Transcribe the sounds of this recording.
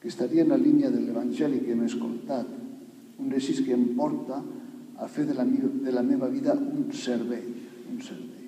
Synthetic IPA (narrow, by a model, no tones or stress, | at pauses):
kest̪aɾiaenalinjaðeleβanʲʒɛlikemeskolt̪at̪ | undesiskeːmpɔɾt̪aː | feðelameβaβiðaunseɾβɛjunseɾβej